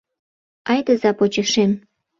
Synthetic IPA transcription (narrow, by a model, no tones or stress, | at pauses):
ɑjd̪əzɑpot͡ɕə̆ʃem